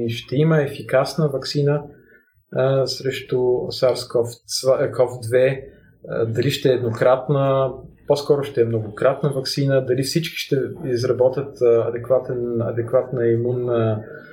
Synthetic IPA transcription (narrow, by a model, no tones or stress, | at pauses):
ʃt̪ɛiməɛfikasnəvɐksinə | sɾɛʃt̪ʊo̰saɾskɔfvakɔfd̪vɛ | d̪ɐliʃt̪ɛːd̪nokɾat̪nəposkɔɾʊʃt̪ɛɛmnoɡʊkɾat̪nəvɐksinəd̪ɐlifsit͡ʃki̥ʃt̪ɛizɾɐbɔt̪ʲjət̪ɐd̪ɛkvat̪ɛnɐ̰d̪ɛkvat̪nəimunə